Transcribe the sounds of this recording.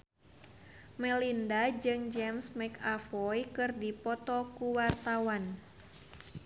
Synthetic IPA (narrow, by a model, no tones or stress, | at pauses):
mɛlindad͡ʒɨŋd͡ʒɛmsmɛkafɔjkɨrdipɔt̪ɔkuwart̪awan